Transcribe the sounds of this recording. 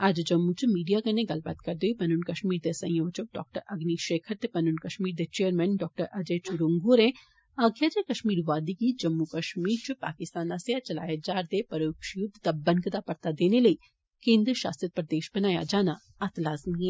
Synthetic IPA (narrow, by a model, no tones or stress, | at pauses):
ad͡ʒd͡ʒɐmːut͡ʃumiːɖijakɐnẽɡɐlba̰ːt̪kɐɾd̪eoipɐnunkɐʃmiːɾd̪esɐ̰̃j̃joʋt͡ʃuɖɔ̰ːk̚ʈəɾɐɡniʃeːkʰəɾt̪epɐnʊnkɐʃmiːɾd̪et͡ʃeːəɾmɛːnɖɔːk̚ʈəɾʔɐd͡ʒet͡ʃuɾuŋɡuɾẽ | aːɡjaːd͡ʒekɐʃmiːɾʋaːd̪ikid͡ʒɐmːukɐʃmiːɾt͡ʃʊpa̰ːkɪst̪aːnaseat͡ʃɐla̰ːjad͡ʒaːɾd̪epɐɾoːkʃjʊd̪ʱd̪abɐ̃nkd̪apɐɾt̪ad̪eːneləi | kẽːnd̪ɾʃa̰ːst̪ɾət̪̚pəɾd̪eːʃbɐnaːja̰d͡ʒaːna | ɐt̪laːzmiɦɛ